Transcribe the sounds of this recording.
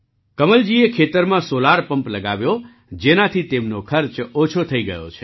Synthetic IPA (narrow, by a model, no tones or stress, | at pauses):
kəməld͡ʒiekʰet̪əɾmãsolaɾpəmpləɡaʋjo | d͡ʒenat̪ʰit̪emnokʰəɾt͡ʃot͡ʃʰot̪ʰəiɡəjo̰t͡ʃʰe̥